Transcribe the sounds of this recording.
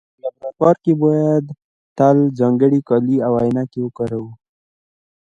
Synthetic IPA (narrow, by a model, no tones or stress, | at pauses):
labɾakɑɾkebɑjad̪ | t̪alzɑŋɡəɽikɑliawajɪnakewəkɑɾawu